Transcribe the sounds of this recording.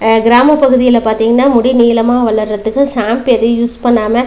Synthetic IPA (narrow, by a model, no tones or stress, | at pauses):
ɡɪɾaːmɐpɐɣɯðɪjɪlɐpaːɾt̪iːŋɡɐnːaːmʊɽiniːlɐmaːʋɐɭɐɾːɐt̪ːɯkːɯsaːmpɛðɯjuːspɐnːaːmɐ